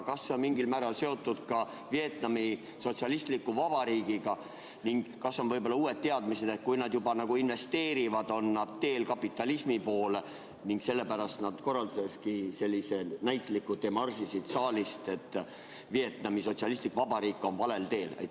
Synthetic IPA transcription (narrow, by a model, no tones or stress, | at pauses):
kɑsːeonmiŋɡilmæːɾɑlse̞o̞t̪ːˑud̪̥kɑ | vie̞t̪nɑmi | so̞t̪siɑlist̪likːˑuvɑb̥ɑɾiːɡ̥iɡ̥ɑ | niŋɡ̥kɑsːo̞nvɤ̞jbolːɑuːe̞d̪̚t̪eɑd̪̥mise̞d̪̥e̞t̪̚kujnɑd̪jubɑnɑɡ̥uinve̞st̪e̞ːɾivɑd̪o̞nːɑd̪t̪e̞ːlkɑpːˑit̪ːˑɑlismipo̞ːle | niŋɡ̥se̞lːe̞pæɾɑst̪nɑd̪̥ko̞rːɑld̪u̥se̞kskise̞lʲːise̞næjt̪ːˑlikːˑud̪emɑrsisid̪̥sɑːlist̪e̞t̪ːˑ | vie̞t̪nɑmiso̞t̪siɑlist̪likvɑbɑɾiːkːˑo̞nvɑle̞lt̪e̞ːlḛj